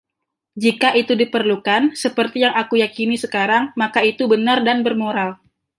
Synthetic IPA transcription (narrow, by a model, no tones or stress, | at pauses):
d͡ʒikaʔit̪udipərlukansəpərt̪ijaŋakujakinisəkaɾaŋmakait̪ubənardanbərmoɾal